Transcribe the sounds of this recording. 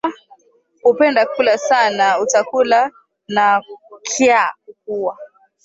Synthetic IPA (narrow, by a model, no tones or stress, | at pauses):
hupɛndakulasanaut͡ʃakula | nakʰiak̚uwa